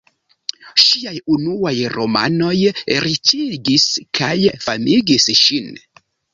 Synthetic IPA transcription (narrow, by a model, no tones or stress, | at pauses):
ʃiajunuajɾo̞ma̰no̞jɾit͡ʃiɡiskʰajfamiɡisʃin